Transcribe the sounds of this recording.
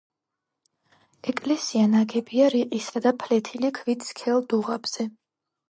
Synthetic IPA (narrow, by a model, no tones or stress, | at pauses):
ɛkʼlɛsianaɡɛbiaɾiqʼisad̪apʰlɛt̪ʰilikʰvit̪sʰkʰɛlˠd̪uʁab̥z̥ɛ